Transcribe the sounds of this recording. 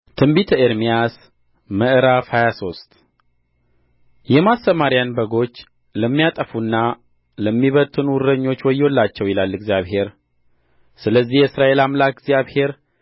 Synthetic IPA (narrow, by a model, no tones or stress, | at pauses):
t̪ʰɨmbit̪ʰəeɾmijas | məʔɨɾafhajaso̞st̪ | jɛmasəmaɾijanbəɡo̞t͡ʃː | ləmːijat̪ʼəfunːa | ləmːiβət̪ʰʼːɨnwʊɾəɲːo̞t͡ʃːwɔjːolːat͡ʃːɛwilalːɨɡzjaβhe̞ɾ | sɨləzːihjɛɨsɾaʔe̞lamlak̚ɡzjaβhe̞ɾ